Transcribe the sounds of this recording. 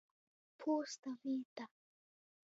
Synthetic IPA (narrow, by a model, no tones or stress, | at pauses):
pʰust̪amiːt̪a